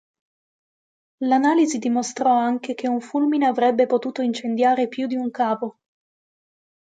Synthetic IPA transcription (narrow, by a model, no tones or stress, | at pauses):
lanaːlizid̪imost̪ɾɔaŋk̟ek̟ʰeuɱfulmineavɾɛbːepot̪uːt̪oint͡ʃend̪jaːɾepjud̪iuŋkaːpo